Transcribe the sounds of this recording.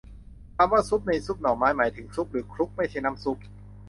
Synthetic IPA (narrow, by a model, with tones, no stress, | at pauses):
k̪ʰaː˧mwaː˥˩su˦˥p̚na˧jsu˦˥˩p̚nɔː˨˩ŋmaː˦˥jmaː˩˦jt̪ʰɯ˩˦ŋsu˦˥p̚ɾɯː˩˦kʰɾu˦˥k̚ma˥˩jt͡ɕʰa˥˩jna˦˥msu˦˥p̚